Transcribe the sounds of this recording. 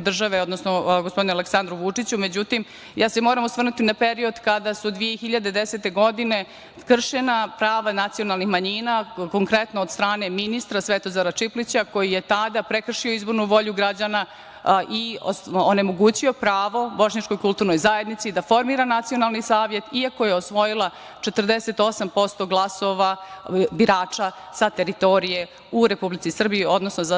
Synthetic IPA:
d̪r̩ʒaʋeo̞d̪nosnoɡospo̞d̪inɛaleksand̪ɾuʋut͡ʂit͡ɕume̞d͡ʑut̪im | jaːsemo̞ːɾamusʋr̩nut̪inape̞ɾio̞d̪kad̪asud̪ʋijexiʎad̪ed̪ese̞t̪e̞ɡo̞d̪ine̞ | kr̩ʃenapɾaːʋanat̪sijo̞nalˠnixmaɲinako̞ŋkɾe̞t̪noːd̪st̪ɾaːne̞minist̪ɾasʋet̪o̞zaɾat͡ʂiplit͡ɕako̞jije̞t̪ad̪apɾekr̩ʂioizbo̞ɾnuʋo̞ʎuɡɾad͡ʑana | ʔioone̞mo̞ɡuːt͡ɕio̞pɾaːʋo̞bo̞ʃɲat͡ʃko̞jkulˠt̪uːɾno̞jzaje̞d̪nit̪sid̪afo̞ɾmiːɾanat̪sijo̞nalˠnisaːʋje̞t̪iakojeosʋo̞jilˠa | t͡ʃet̪rd̪ese̞t̪o̞sampo̞st̪o̞ɡlˠaso̞ʋabiɾaːt͡ʂa | sat̪e̞ɾit̪o̞ɾije̞ | uɾe̞publit̪sisr̩bijio̞d̪nosnoza

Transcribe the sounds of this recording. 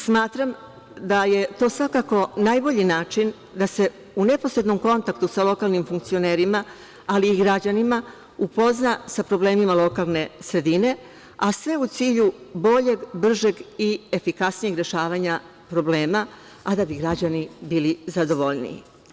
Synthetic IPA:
smaːt̪ɾam | d̪aje̞t̪o̞ːsʋakako̞naːjbo̞ʎinaːt͡ʃin | d̪ase̞ | une̞po̞sɾe̞d̪no̞mko̞nt̪akt̪usalo̞kalˠnimfuŋk̚tsio̞ne̞ːɾimaː | liːɡɾad͡ʑanima | upo̞znasapɾo̞ble̞ːmimalˠo̞kalˠne̞sɾe̞d̪ine̞ | asʋe̞ut̪siːʎubo̞ʎe̞ɡbr̩ʒe̞ɡie̞fikasnije̞ɡɾe̞ʃaːʋaɲa | pɾo̞ble̞ːma | ad̪abiɡɾad͡ʑanibiːlizad̪o̞ʋo̞ʎnḭḭ

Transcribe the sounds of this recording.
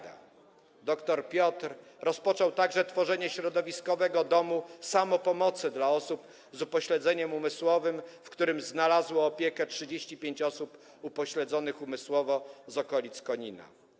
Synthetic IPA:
a̰ | d̪ɔkt̪ɔɾpʲjɔt̪ɾ | ɾɔspɔt͡ʂɔwt̪aɡʐɛt̪fɔʐɛɲɛɕɾɔd̪ɔvʲiskɔvɛɡɔd̪ɔmusamɔpɔmɔt̪sɘd̪laɔsup | zupɔɕlɛd̪zɛɲɛmumɘswɔvɘmfkt̪uɾɘmznalazwɔːpʲjɛkɛtʂɘd͡ʑeɕt͡ɕipʲjeɲt͡ɕɔsup | upɔɕlɛd̪zɔnɘxumɘswɔvɔzɔkɔlʲit̪skɔɲina̰

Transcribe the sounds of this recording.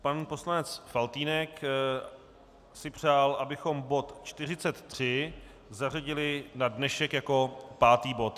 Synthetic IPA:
panpo̞slanɛt͡sfalt̪iːnɛk | sɪpr̝̥aːlʔabɪxo̞mbo̞t̪t͡ʃt̪ɪr̝ɪt͡sɛt̪ːr̝̥ɪ | zar̝aɟɪlɪnadnɛʃɛkjako̞paːt̪iːbo̞t̪

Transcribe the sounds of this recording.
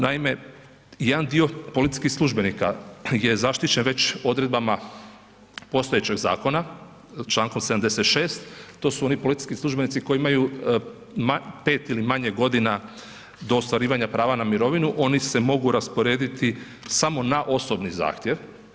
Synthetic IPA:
naime̞ | jed̪and̪io̞po̞lit̪i̥skixslˠuʒbe̞nika̰je̞zaʃt̪it͡ɕe̞nʋe̞t͡ɕo̞d̪ɾe̞d̪̚bama | po̞st̪ojet͡ɕe̞ɡza̰ːko̞na | t͡ʃlˠaːŋko̞msed̪amd̪e̞set̪ʃeːst̪ːo̞ːsuo̞nipo̞lit̪i̥skislˠuʒbe̞nit̪siko̞jiimaju | mape̞ːt̪ilimaɲe̞ɡo̞d̪ina | d̪o̞ːst̪ʋaɾiːʋaɲapɾaːʋanamiɾo̞ʋinuʔo̞nise̞mo̞ɡuɾaspoɾe̞ːd̪it̪i | samo̞naʔo̞so̞bniza̰ːxt̪jeʋ

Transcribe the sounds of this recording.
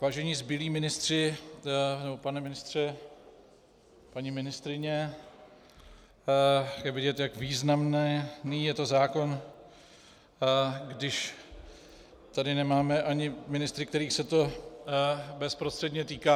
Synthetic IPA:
vaːʒɛɲiːzbɪliːmɪnɪst̪r̝̥ɪ | nɛbopanɛmɪnɪst̪r̝̥ɛ | paɲimɪnɪst̪ɾɪɲɛ | jɛvɪɟɛt̪jakviːznamnɛniːjɛt̪o̞zaːko̞n | ɡdɪʃ | t̪adɪnɛmaːmɛʔaɲɪmɪnɪst̪ɾɪk̚t̪ɛɾiːxsɛt̪o̞ | bɛspɾo̞st̪r̥ɛdɲɛt̪iːkaː

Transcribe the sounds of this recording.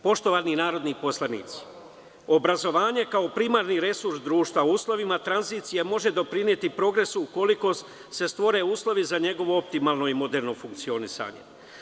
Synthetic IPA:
po̞ʃt̪o̞ʋaninaːɾo̞d̪nipo̞slˠanḭːt̪si̥ | o̞bɾazo̞ʋaːɲe̞kaopɾimaɾniɾe̞suɾsd̪ɾuːʃt̪ʋaouːslˠo̞ʋimat̪ɾanziːt̪sijemo̞ʒe̞d̪o̞pɾinje̞t̪ipɾo̞ɡɾe̞suuko̞liko̞ | se̞st̪ʋo̞ɾe̞uːslˠo̞ʋizaɲe̞ɡo̞ʋo̞op̚t̪imaːlno̞imo̞d̪e̞ɾno̞fuŋkt̪sio̞nisa̰ɲe̞̰

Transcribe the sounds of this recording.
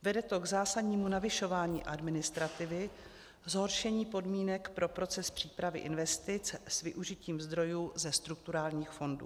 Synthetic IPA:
vɛdɛt̪o̞ɡzaːsadɲiːmunavɪʃo̞vaːɲḭːʔadmɪnɪst̪ɾat̪ɪvɪ | zɦo̞ɾʃɛɲiːpo̞dmiːnɛkpɾo̞pɾo̞t͡sɛspr̝̥iːpɾavɪ̰ʔɪnvɛst̪ɪt͡ssvɪʔuʒɪciːmzd̪ɾo̞juːzɛst̪ɾuk̚t̪uɾaːlɲiːxfo̞ndṵː

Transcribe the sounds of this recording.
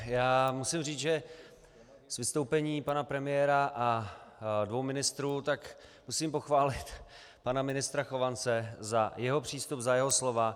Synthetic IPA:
jaːmusɪmriːt͡sʒɛ | svɪst̪owpɛɲiːpanapɾɛmɪjɛːɾaʔa | dvowmɪnɪst̪ɾuːt̪ak | musiːmpo̞xvaːlɪt̪ | panamɪnɪst̪ɾaxo̞vant͡sɛzajɛɦo̞pr̝̥iːst̪upzajɛɦoslo̞va

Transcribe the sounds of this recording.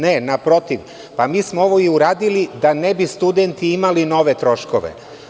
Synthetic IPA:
nenapɾo̞t̪iʋ | pamiːsmoo̞ʋoiuɾaːd̪ilid̪anebist̪ud̪ent̪iimalino̞ʋe̞t̪ɾo̞ʃkoʋḛ

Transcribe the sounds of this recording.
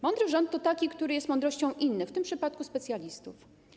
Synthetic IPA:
mɔnd̪ɾɘʐɔnt̪ːɔt̪akʲikt̪uɾɘjɛst̪mɔnd̪ɾɔɕt͡ɕɔ̃w̃ʔinːɘft̪ɘmpʂɘpat̪̚kuspɛt̪sʲjalʲist̪uf

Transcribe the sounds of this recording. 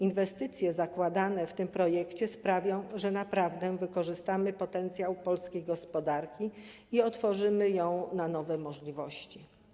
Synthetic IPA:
invɛst̪ɘt̪sʲjɛzakwad̪anɛft̪ɘmpɾɔjɛkt͡ɕɛspɾavʲjɔ̃w̃ʐɛnapɾavd̪ɛvɘkɔʐɘst̪amɘpɔt̪ɛnt̪sʲjawpɔlskʲejɡɔspɔd̪aɾkʲi | iɔt̪fɔʐɘmɘjɔ̃w̃nanɔvɛmɔʐlʲivɔɕt͡ɕi

